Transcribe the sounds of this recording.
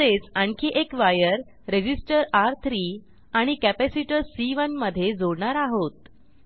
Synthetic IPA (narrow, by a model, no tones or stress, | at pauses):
et͡saɳkʰiʔekʋajəɾ | ɾed͡ʑisʈəɾaɾt̪ʰɾiː | aɽ̃ikæpæsiʈəɾsiʋənməd̪ʱːjed͡zoɽɳaɾaɦot̪̚